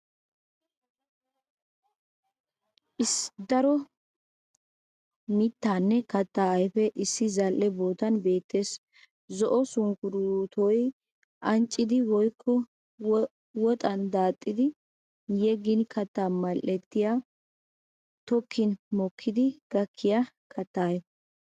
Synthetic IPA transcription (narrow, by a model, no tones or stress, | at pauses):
ʔɪsd̪ɐɾɔ | mɪt̪ːaːnːɛkɐt̪ːaːɐjfɛʔɪsːɪzɐlʔːɛboːt̪ɐnbe̞ːt̪ːe̞ːs | zɔʔɔsʊŋkʊɾʊt̪ʰɔj | ʔɐnt͡ʃʼːɪd̪ɪwɔjkʰːɔ | wɔt̪ʼɐnd̪aːt̪ʼːɪd̪ɪ | jɛɡɪnkʰɐt̪ːaːmɐlːɛt̪ːɪja | t̪ɔkʰːɪnmɔkʰːɪd̪ɪɡ̥ɐkʰːɪja | kʰɐt̪ːaːjɛ